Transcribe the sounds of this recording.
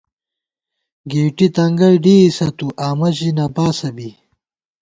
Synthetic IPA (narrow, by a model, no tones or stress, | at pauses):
ɡeːʈit̪ɐŋɡɐɽɖiːsɐt̪uʔaːmɐʑinaːpaːsɐbi